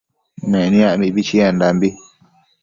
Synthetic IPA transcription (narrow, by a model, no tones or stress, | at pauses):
mɛnĩamibit͡ʃiandambi